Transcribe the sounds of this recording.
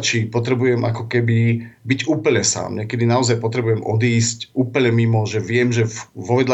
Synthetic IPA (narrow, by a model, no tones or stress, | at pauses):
t͡ʃipɔt̪ɾɛbujɛmʔakɔkɛbibiɟuːpl̩ɲɛsa̰ːmɲɛkɛd̪inaɔzajpɔt̪ɾɛbujɛmɔd̪iːscʔuːpl̩ɲɛmimɔʒɛʋɪɛmʒɛʋɔʋɛd̪l